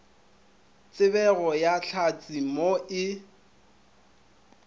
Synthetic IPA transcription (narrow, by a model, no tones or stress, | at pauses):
t͡sʼɪβɛɣɔjaɬʰat͡sʼimoʔɪ